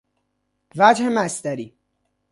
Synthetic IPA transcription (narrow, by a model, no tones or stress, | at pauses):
væd͡ʒhemæsd̪æɾiː